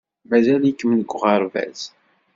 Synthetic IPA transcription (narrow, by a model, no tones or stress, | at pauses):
mæzælikːəmnəɡʷːʁɑɾˤvæ̰z̥